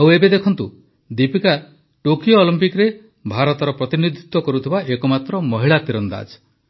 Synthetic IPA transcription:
awebed̪ekʰɔnt̪u | d̪ipika | ʈokijoːlimpikɾe | bʱaɾɔt̪ɔɾɔpɾɔt̪inid̪ʱit̪wɔkɔɾut̪ʰibaʔekɔmat̪ɾɔmɔɦiɭat̪iɾɔnd̪a̰d͡ʒ

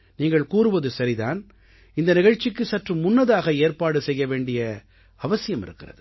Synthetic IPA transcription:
niːŋɡɐɭkuːɾɯʋɐðɯsɐɾiða̰ːn | ɪnd̪ɐnɪɣɐɻt͡ʃːɪkːɯsɐʈrɯmʊnːɐðaːɣɐeːrpaːɽɯsɛjːɐʋeːɳɖɪjɐ | ɐʋɐsɪjɐmɪ̰ɾɯkːɪrɐ̰ðɯ

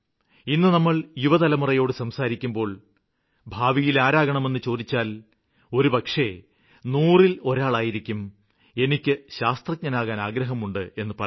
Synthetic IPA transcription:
inːɨnɐmːɐɭjuʋɐðɐlɐmurɐjo̞ːɽɨsɐmsaːɾikʲːumbo̞ːɭ | bʱaːʋijilaːɾaːɣɐɳɐme̞nːɨt͡ɕo̞ːd̪it͡ɕːaːl | o̞ɾubɐkʂe | nuːrilo̞ɾaːɭaːjiɾikʲːum | e̞nikʲːɨɕaːst̪rɐk̚ɲɐnaːɣaːnaːɡɾɐɦɐmuɳɖɨe̞nːɨpɐ

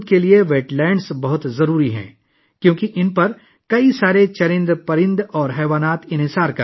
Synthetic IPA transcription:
d̪̚kelieʋeːʈlɛ̃ːɳɖsbɐɦʊt̪zɐɾuːɾiɦɛ̰̃ː | kjõːkiʔɪnpɐɾ | kɐisaːɾet͡ʃɐɾɪ̃nd̪pɐɾɪ̃nd̪ɔːɾɦɛːʋaːnaːt̪ɪ̃nɦɪsaːɾkɐ

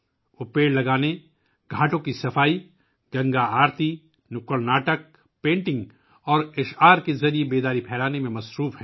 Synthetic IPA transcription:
ʊpeːɽlɐɡaːne | ɡʱaːʈõkisɐfaːi | ɡɐ̃ŋɡaaːɾt̪i | nʊkəɾnaːʈək̚ | pẽːɳʈɪ̃ŋɡ | ɔːɾɪʃaːɾkezɐɾiebeːd̪aːɾipʰɛːlaːnemẽmɐsɾuːfɦɛ̃ː

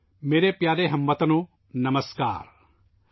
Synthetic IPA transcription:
meːɾepjaːɾeɦɐ̃mʋɐt̪ɐnoː | nɐməska̰ːɾ

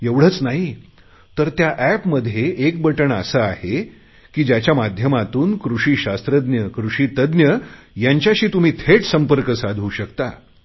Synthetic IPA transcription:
eʋɽ̤ət͡snaɦi | t̪əɾt̪jaʔæpməd̪ʱːjeek̚bəʈəɳə̰səahe | kiːd͡ʑjat͡ɕjamad̪ʱjəmat̪uːnkɾuɕiːɕast̪ɾəd̪njəkɾuʂiːt̪əd̪njəjaɲt͡ɕjaɕiːt̪um̤iːt̪ʰeʈsəmpəɾkəsad̪ʱuːɕəkt̪a

